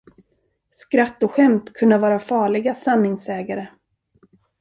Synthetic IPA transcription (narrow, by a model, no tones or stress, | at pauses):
skɾat̪ːɔɧɛmt̪kʰɵnːavɑːɾafɑːɭɪɡasanːɪŋsɛːɡaɾə